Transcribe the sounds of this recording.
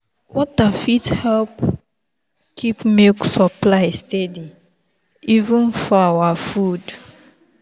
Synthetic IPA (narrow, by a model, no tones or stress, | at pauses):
wɔt̚afithɛlp | kʰipmeksɔplaɪstedi | ivũnfɔawafud